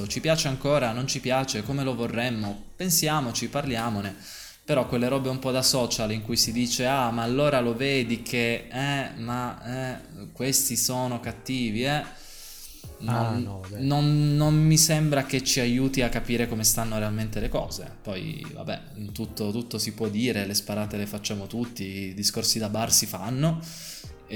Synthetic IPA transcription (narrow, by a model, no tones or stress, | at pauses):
ot͡ʃipjaːt͡ʃeaŋkoːɾanont͡ʃipjaːt͡ʃekomelovorːemːopensjaːmot͡ʃiparljaːmone | peɾɔkːwelːeɾɔːbeumpɔd̪asɔːt͡ʃaliŋkujsid̪iːt͡ʃeamaːlːoːɾaloveːd̪ikʰeɛmaɛ | kwest̪isoːnokat̪ːiːviɛ | nonːonːonmisembɾaket͡ʃːiajuːt̪iakːapiːɾekomest̪anːoɾealment̪elekɔ̰ːzḛpɔjva̰bːɛ̰ | t̪ut̪ːot̪ut̪ːosipwɔd̪ːiːɾelespaɾaːt̪elefat͡ʃːaːmot̪ut̪ːid̪iskorsid̪abarsifanːo